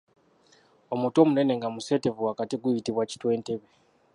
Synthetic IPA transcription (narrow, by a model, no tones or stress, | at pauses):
o̞muto̞mune̞ne̞ŋɡamusetevuakatiɡuitiβwaci̥twe̞nteβe